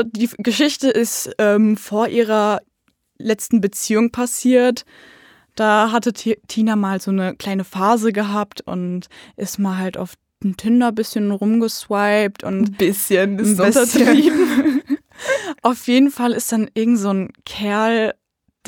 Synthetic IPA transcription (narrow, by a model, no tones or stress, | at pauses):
diːɡəʃɪçtəʔɪstʔɛːmfoːɐʔiːʁ̞ɐ | lɛt͡stn̩bət͡siːʊŋpʰasiːɐt | d̥aːɦatətʰiːnamaːlzoːnəkl̥aɪnəfaːzəɡəɦaːptʊ̰ntʔɪstmaːlɦaltʔa̰ʊf | ntʰɪndɐbɪsçənʁʊmɡəsv̥aɪp̚tʰʔʊ̰ntb̥ɪsçənɪtɐtiːbn | ʔaʊfjeːdn̩falɪstd̥anʔɪɐɡŋ̩tz̥oːnkʰɛɐl